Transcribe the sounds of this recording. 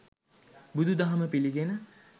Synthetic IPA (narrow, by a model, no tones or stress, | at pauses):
bud̪ʱud̪aɦaməpiliɡenə